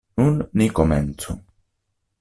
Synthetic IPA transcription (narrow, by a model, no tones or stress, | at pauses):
nunːikoment̪sṵ